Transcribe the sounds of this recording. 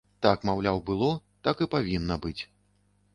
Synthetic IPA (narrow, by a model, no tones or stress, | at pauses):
t̪akmawlʲawbɨlˠɔt̪akɨpavʲinːɐbɨt͡sʲ